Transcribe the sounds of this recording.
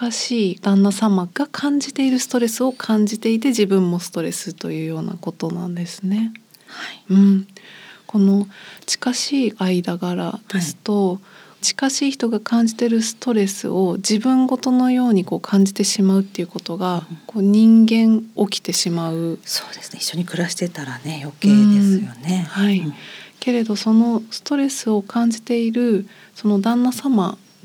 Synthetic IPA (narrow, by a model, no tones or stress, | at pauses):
aɕiːd̪̥ãnːasamaɡ̥akʰãɲ̟d͡ʑit̪e̞iɾɯ̟sɨ̥t̪o̞ɾe̞sɨo̞kʰãɲ̟d͡ʑit̪e̞it̪̬e̞d͡ʑibɯ̟̃mːo̞sɨ̥t̪o̞ɾe̞̰sɨt̪o̞jɯ̟ːjo̞ːna̰ko̞t̪o̞nã̰nd̪e̞sɨ̥ne̞ | haɯ̟̃ɴ | ko̞no̞t͡ɕi̥kaɕiːaid̪aɡaɾa̰d̪̥e̞sɨ̥t̪o̞t͡ɕi̥kaɕiːçi̥t̪o̞ɡakʰãɲ̟d͡ʑit̪e̞ɾɯ̟sɨ̥t̪o̞ɾe̞sɨ̰ʔo̞d͡ʑibɯ̟̃ŋɡo̞t̪o̞no̞jo̞ːɲ̟iko̞ːkʰãɲ̟d͡ʑit̪e̞ɕimaɯ̟t̪ːe̞iɯ̟ko̞t̪o̞ɡako̞ːɲ̟ĩŋɡẽ̞ɴo̞kʲi̥t̪e̞ɕimaɯ̟soːd̪̥e̞sɨnei̥ɕːoɲ̟ikɯ̟ɾaɕi̥t̪e̞t̪aɾane̞jo̞keːd̪esɨjone̞haike̞ɾe̞d̪o̞so̞no̞sɨ̥t̪o̞ɾe̞sɨo̞kʰãɲ̟d͡ʑit̪e̞iɾɯ̟ | so̞no̞d̪ãnːasama